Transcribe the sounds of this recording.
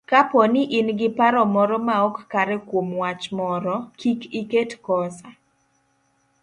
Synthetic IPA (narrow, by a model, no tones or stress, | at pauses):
kapɔnɪʔinɡɪpaɾɔmɔɾɔmaɔkːaɾɛkwomwat͡ʃmɔɾɔkikiketkɔsa